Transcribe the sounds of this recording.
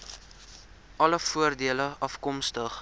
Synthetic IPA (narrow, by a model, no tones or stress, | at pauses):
ʔɐləfuərdiələɐfkɔmstəχ